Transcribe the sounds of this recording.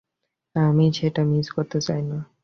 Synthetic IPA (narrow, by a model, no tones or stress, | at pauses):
amiʃeʈamizkoɾt̪et͡ɕajna